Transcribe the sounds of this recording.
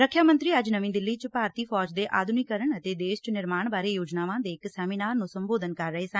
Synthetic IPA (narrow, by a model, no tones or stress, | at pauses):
ɾəkʰːjaːmə̃nt̪ɾiːəd͡ʒnəʋĩːd̪ɪlːiːt͡ʃpaːɾt̪iːpʰɔːd͡ʒd̪eːʔaːd̪ʊniːkəɾəɳət̪eːd̪eːʃt͡ʃnɪɾmaːɳbaːɾeːjoːd͡ʒnaːʋãːd̪eːɪksɛːmĩːnaːɾnũːsəmboːd̪ənkəɾːəɦeːsə̃